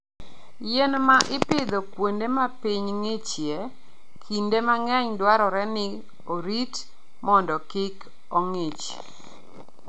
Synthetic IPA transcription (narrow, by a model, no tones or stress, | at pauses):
jɛnmaʔɪpɪd̪okwondemapiɲŋet͡ʃje | kʰindemaŋɛɲdwaɾɔɾɛnɪ | oɾit | mɔndɔkɪk | ɔŋet͡ʃ